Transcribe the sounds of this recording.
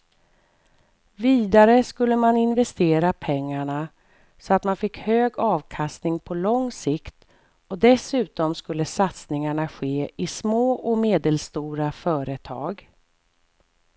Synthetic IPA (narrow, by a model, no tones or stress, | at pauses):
viːd̪aɾəskɵlːəmanɪnvɛst̪eːɾapʰɛŋːaɳa | sɔat̪manfɪkːhøːɡɑːvkʰast̪nɪŋpʰɔlɔŋːsɪkt̪ | ɔd̪ɛsʉ̟ːt̪ɔmskɵlːəsat̪snɪŋaɳaɧeːɪsmoːʔɔmeːd̪əlst̪uːɾafœːɾət̪ʰɑ̰ːɡ